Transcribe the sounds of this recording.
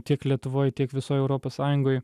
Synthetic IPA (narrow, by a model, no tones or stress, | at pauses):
t̪ʲiɛklʲiɛt̪ʊʋoːjt̪ʲiɛkʋʲɪsoːjɛʊɾoːpossɑːjʊŋɡoːj